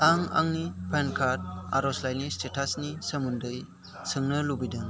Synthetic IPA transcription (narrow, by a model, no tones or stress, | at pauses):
aŋa̰ŋnipʰenkʰaɾt̚a̰ɾɔslajnistetʰasnisəmundɯj | sɯŋnɯlubidɯŋ